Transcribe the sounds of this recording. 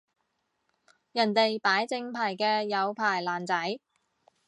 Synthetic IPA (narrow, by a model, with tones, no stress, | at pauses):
jɐ˨˩nt̪e˨jpaː˨˥jt͡sɪ˧ŋpʰaː˨˩jkɛː˧jɐ˨˧wpʰaː˨˩jlaː˨˩nt͡sɐ˨˥j